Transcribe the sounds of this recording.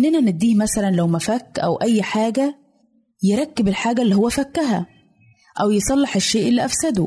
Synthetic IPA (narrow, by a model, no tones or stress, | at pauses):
ʔnːænæned̪ːiːmæsælænlæwmæfækːʔæ̰wʔæjːħaːɡæ | jeɾˤɑkːebelħaːɡælːihowːæfækːæɦæ | ʔæwjesˤɑlːɑħeʃːeːʔelːiʔæfsæd̪u